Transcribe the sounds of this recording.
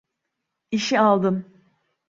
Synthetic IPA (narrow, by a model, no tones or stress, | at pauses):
iʃialˠd̪ɯm